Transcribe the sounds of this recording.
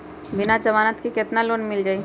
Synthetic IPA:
bɪnad͡ʒəmaːnət̪kikɛt̪naloːnmɪld͡ʒaːi

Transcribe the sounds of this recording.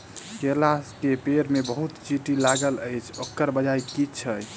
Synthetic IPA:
kelaskepeɾmebəɦut̪t͡ʃiʈilaɡələjt͡ʃʰokːəɾbəd͡ʒajkit͡ʃʰə

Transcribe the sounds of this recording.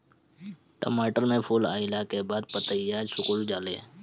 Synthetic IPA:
ʈə̰maːʈəɾmẽpʰoːla̰ːɪlakebaːd̪̚pət̪əjaːd͡ʒsʊkʊld͡ʒaːleː

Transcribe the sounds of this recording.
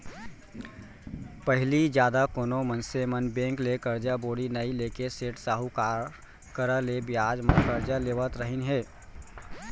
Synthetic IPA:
pəɦɪlid͡ʒjaːd̪akoːnomənsemənbẽŋklekəɾd͡ʒaboɽinəilekeseʈsaːɦukaɾ | kəɾəlebjad͡ʒməkəɾd͡ʒalebət̪ɾəɦinɦe

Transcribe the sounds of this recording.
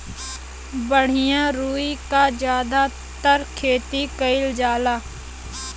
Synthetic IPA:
bəɽ̤ɪjãːɾuːikad͡ʒjaːd̪aː | t̪əɾkʰeːt̪iːkəɪld͡ʒaːlaː

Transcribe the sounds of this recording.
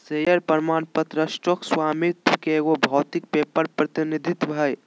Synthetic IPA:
sejəɾpəɾmaːnpət̪ɾəsʈokswamit̪keɡobʱɔːt̪ik̚pepəɾpɾət̪inid̪ʱit̪bʱəj

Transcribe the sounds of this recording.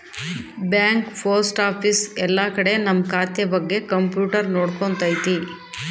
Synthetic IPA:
bjaːŋkpʰoːɾsʈaːpʰisɛlːakɐɽe̞nɐmːɐkaːt̪jɐbɐɡːe̞kɐmpjuːʈɐɾnoːɽkont̪ɐjt̪i

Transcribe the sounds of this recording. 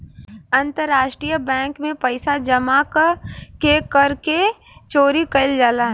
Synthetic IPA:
ɐ̃nt̪əɾːaːʃʈɾijəbɛ̃ːŋkmẽpɐɪsad͡ʒɐmakkekəɾke | t͡ʃoːɾikɐɪld͡ʒaːlaɦ

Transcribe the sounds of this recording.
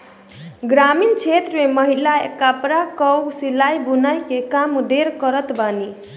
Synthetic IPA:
ɡɾamint͡ʃʰet̪ɾəmeməɦilaekapɾakʌwsilajbunajkekamɖeɾkʌɾət̪bani

